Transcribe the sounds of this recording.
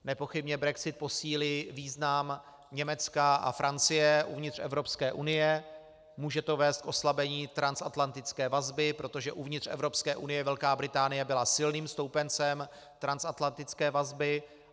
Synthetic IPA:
nɛpo̞xɪbɲɛbɾɛksɪt̪̚po̞siːlɪviːznam | ɲɛmɛt͡skaʔa̰fɾʔant͡sɪjɛʔṵvɲɪt̪r̝̥ɛ̰vɾo̞pskɛːʔunɪjɛ | muːʒɛt̪o̞vɛːst̪̚kʔo̞slabɛɲiːt̪ɾansat̪lant̪ɪt͡skɛːvazbɪpɾo̞t̪o̞ʒɛʔuvɲɪt̪r̝̥ɛ̰vɾo̞pskɛːʔunɪjɛvɛlkaːbɾɪt̪aːnɪjɛbɪlasɪlniːmst̪o̞wpɛnt͡sɛm | t̪ɾansat̪lant̪ɪt͡skɛːvazbɪ

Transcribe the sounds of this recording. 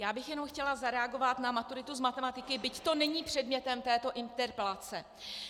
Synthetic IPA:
jaːbɪxjɛnowxcɛlazaɾɛaɡo̞vat̪namat̪uɾɪt̪uzmat̪ɛmat̪ɪkɪbɪct̪o̞nɛɲiːpr̥ɛdmɲɛt̪ɛmt̪ɛːt̪o̞ʔɪnt̪ɛɾpɛlat͡sɛ

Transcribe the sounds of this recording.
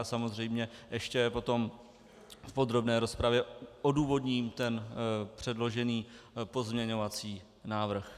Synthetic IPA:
samo̞zr̝ɛjmɲɛʔɛʃcɛpo̞t̪o̞m | fpo̞d̪ɾo̞bnɛːɾo̞spɾavjɛoduːvo̞dɲiːmt̪ɛnpr̝̥ɛdlo̞ʒɛniːpo̞zmɲɛɲo̞vat͡siː | naːvr̩x

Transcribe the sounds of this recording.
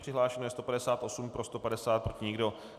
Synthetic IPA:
pr̥ɪɦlaːʃɛnojɛst̪o̞padɛsaːt̪ʔo̞sumpɾo̞st̪o̞padɛsaːt̪̚pɾo̞cɪɲɪɡdo̞

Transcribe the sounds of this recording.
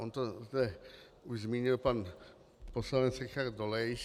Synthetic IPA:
ʔont̪ozd̪ɛ | uʒzmiːɲɪlpan | poslanɛt͡ssɾɛxard̪olɛjʃ

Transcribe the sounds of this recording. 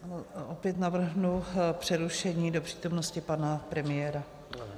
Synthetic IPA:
ʔopjɛt̪navr̩ɦnupr̝̥ɛɾuʃɛɲiːdo̞pr̝̥iːt̪o̞mnoscɪpanapɾɛmɪjɛːɾa

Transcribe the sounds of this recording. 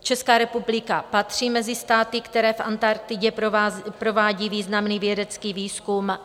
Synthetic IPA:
t͡ʃɛskaːɾɛpublɪkapat̪r̝̥iːmɛzɪst̪aːt̪ɪkt̪ɛɾɛːfʔa̰nt̪aɾt̪ɪɟɛpɾo̞vaːɟiːviːznamniːvjɛdɛt͡skiːviːskum

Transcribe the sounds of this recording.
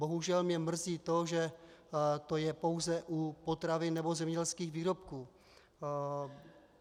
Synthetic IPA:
bo̞ɦuʒɛlmɲɛmr̩ziːt̪o̞ʒɛ | t̪o̞jɛpo̞wzɛʔupo̞t̪ɾavɪnːɛbo̞zɛmɲɛɟɛlskiːxviːɾo̞pkuː

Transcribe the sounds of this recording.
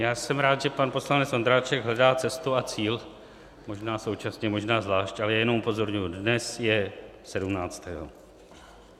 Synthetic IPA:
jaːsɛmɾaːt̪ʒɛpanpo̞slanɛt͡sʔond̪ɾaːt͡ʃɛɡɦlɛdaːt͡sɛst̪uat͡siːl | mo̞ʒnaːso̞wt͡ʃasɲɛmo̞ʒnaːzvlaːʃcʔalɛjajɛnomʔupo̞zo̞ɾɲujudnɛsjɛsɛdumnaːt͡st̪ɛːɦo̞̰

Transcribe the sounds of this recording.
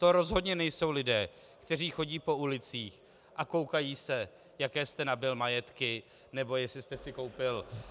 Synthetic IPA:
t̪o̞ɾo̞zɦo̞dɲɛnɛjso̞wlɪdɛː | kt̪ɛriːxo̞ɟiːpo̞ʔulɪt͡siːx | ʔako̞wkajiːsɛ | jakɛːst̪ɛnabɪlmajɛt̪kɪ | nɛbo̞jɛsɪst̪ɛsɪko̞wpɪl

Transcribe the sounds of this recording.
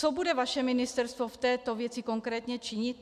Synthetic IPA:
t͡sobudɛvaʃɛmɪnɪst̪ɛɾst̪voft̪ɛːt̪ovjɛt͡sɪko̞ŋkɾɛːt̪ɲɛt͡ʃɪɲɪt̪̚

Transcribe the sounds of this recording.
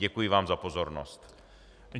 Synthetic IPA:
ɛkujɪvaːmzapozoɾnost̪

